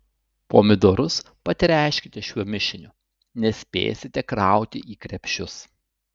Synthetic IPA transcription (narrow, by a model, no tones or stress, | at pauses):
poːmʲɪd̪oːɾʊs | pɐsʲɪɾʲæˑɪʃʲkʲɪt̪ʲɛʃʲuɔmʲɪʃʲɪnʲʊ | nʲɛsʲpʲḛːj̰sʲɪt̪ʲɛkɾɑˑʊt̪ʲɪʔiːkɾʲɛpʲʃʲʊs